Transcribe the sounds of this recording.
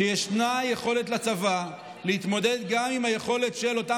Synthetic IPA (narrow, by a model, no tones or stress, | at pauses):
ejeʃnajeχo̞le̞t̪̬lat͡sava | lehit̪mo̞d̪ed̪ɡamimhaje̞χo̞le̞t̪ʃelo̞ta